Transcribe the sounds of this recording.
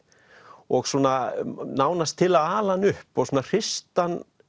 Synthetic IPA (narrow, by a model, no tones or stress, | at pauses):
ɔɣsuːnanaːwnast̪ʰɪlaðaːlanʏhpɔɣsuːnar̥ɪst̪an